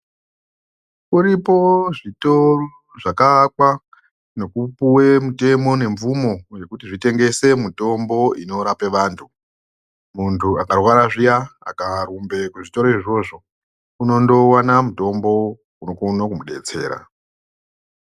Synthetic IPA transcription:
kuɾipo̞ʐitoroʐakaːkwa | no̞kupuwe̞mute̞mo̞ne̞ɱvumo̞je̞kutiʐite̞ŋɡe̞se̞muto̞mbo̞ino̞ɾape̞ʋaːntʰu | muntʰuakarwaɾaʐijaa̰karumbe̞kuʐito̞ɾoiʐo̞ʐo̞ | uno̞ndo̞wanamuto̞mbo̞ | unokonokumuɗe̞̰t͡se̞̰ːɾa̰

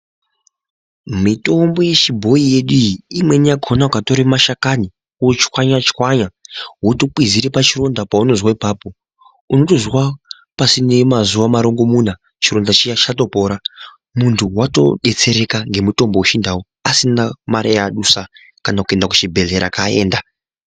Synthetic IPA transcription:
mito̞mbo̞je̞t͡ʃibʱo̞ije̞ɗujiimwe̞nijaɡʱo̞nakato̞ɾemaʃakani | t͡ʃkwaɲat͡ʃi̥waɲaɦwotok͡pwiziɾipat͡ʃiro̞ndapauno̞zwaipaːpo̞ | uno̞tozwa | pasine̞mazuʋamaɾo̞ŋɡo̞muna | t͡ʃiro̞ndat͡ʃit͡ʃato̞po̞ːɾa | muntʰuwato̞̰ɗe̞t͡se̞ɾe̞kaŋɡe̞muto̞mbo̞uʃindawo | asinamaɾajaɗusa | kanakue̞ndaku̥t͡ʃibʱe̞ɮe̞ɾa̰kae̞̰ːnda

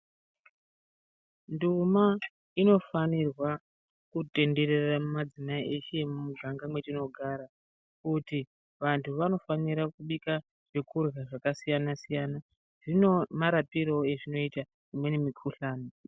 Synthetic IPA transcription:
nduma | ino̞fanirwa | kute̞nde̞ɾe̞ramumad͡zimaiʔe̞ʃe̞mumuɡʱaŋɡamwe̞tino̞ɡʱaɾa | kuti | ʋantʰuʋano̞faniɾakuɓika | ʐ̥ekʰurɣaʐakasijanasijana | ʐ̥inomaɾapiɾo̞e̞ʐino̞ita | imwe̞nemikʰuɬaːno

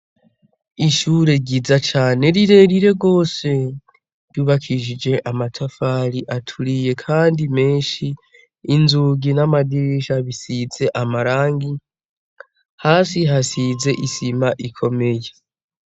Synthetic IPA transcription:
iʃuːɾe̞ɟizat͡ʃaːne̞ɾiɾe̞ɾiɾe̞ɡo̞ːse̞ | ɾjuːβakʰiʒid͡ʒe̞ʔamatʰafaːɾiʔatʰuɾije̞kʰaːndime̞ːnʃiː | nzuɡinamadiʃaβisize̞ʔamaɾaːŋɡi | haːsiɦasize̞ʔisimaʔikʰo̞me̞je̞

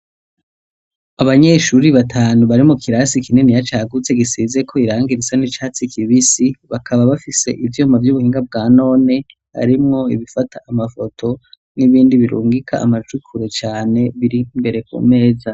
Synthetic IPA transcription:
aβaɲe̞ʃuɾiβatʰaːnuβaɾimukʰiɾasikininijat͡ʃaɡut͡se̞ɡisizekʰo̞iɾaːŋɡiɾit͡sanit͡ʃaːt͡sikʰiβisiβakʰaβaβafise̞̰ʔivjuːmavjuβuhiːŋɡab̚ɡaːno̞ːne̞ | ha̰ɾimŋo̞iβifatʰaʔamafo̞tʰo̞ | niβiːndiβiɾṵːŋɡikʰa̰ːmat͡ʃukʰuɾet͡ʃaːne̞βiɾimbe̞ɾe̞kṵme̞ːza

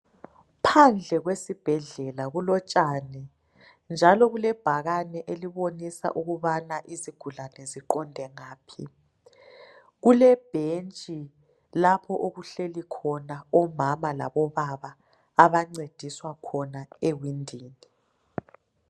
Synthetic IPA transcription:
pʰand͡ɮʱɛɣwesib̥ʱɛɮɛlaɣulɔt͡ʃʼaːnɛ | nd͡ʒʱalɔɣulɛb̥ʱaɣanɛʔeliβonisa̰ʔuɣuβanaʔiziɡ̥ʱulanɛziǃɔndʱɛŋaːpʰḭ | ɣulɛb̥ʱent͡ʃʼi | lapʰɔʔoɣuɬelikʰɔnaɔmamala̰βɔβaβaː | βaŋ͡ǀed̥ʱiswakʰɔnaewindʱiːni

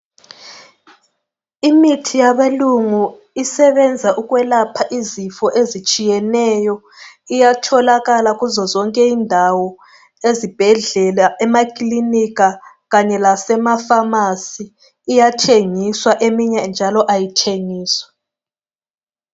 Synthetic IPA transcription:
imitʰijaβeluŋu | isɛβɛnd͡zʱaʔuɣwɛlapʰaʔizifɔʔezit͡ʃʼijɛnɛjɔ | ijatʰɔlaɣalaɣuzɔzɔŋkʼɛindʱawɔ | ezib̥ʱɛɮɛlaɛmakʼliniɣa | ɣaɲɛlasɛmafamasiː | jatʰeŋiswaʔemiɲɛnd͡ʒʱalɔʔajitʰeŋiːswḁ

